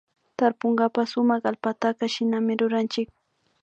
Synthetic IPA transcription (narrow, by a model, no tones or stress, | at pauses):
t̪aɾpoŋɡapasʊmɑχalpat̪akaʃɪnamɪɾʊɾant͡ʃɪk̚